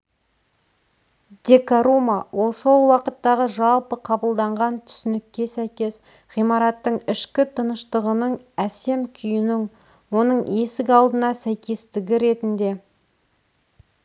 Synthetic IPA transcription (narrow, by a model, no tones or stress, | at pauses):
d̪̥ʲe̞kaɾumawʔo̞lˠso̞lˠwɑqət̪ːɑʁəʒɑlˠpəqʰɑbəlˠd̪ɑɴʁɑnt̪ʰʏ̥sɪnɪkʲːe̞sæjkʲe̞s | ʁijmɑɾɑt̪ːəɴɪʃkʲɪt̪ʰənəʃt̪əʁənəɴ | æse̞mkʲʰʏjɪnɪŋ | wo̞nəɴe̞sɪɡʲɑlˠd̪ənɑsæjkʲe̞st̪ɪɡʲɪɾe̞t̪ɪnd̪e̞